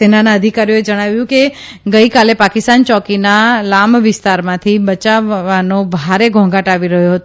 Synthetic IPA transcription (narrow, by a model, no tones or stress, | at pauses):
enanaəd̪ʱikaɾijoed͡ʒəɽ̃aʋjũke | ɡəikalepakɪst̪ant͡ʃɔkinalamʋɪst̪aɾmãt̪ʰibət͡ʃaʋanobʱaɾeɡʱɔ̃ɡaʈaʋiɾəɦjoɦət̪o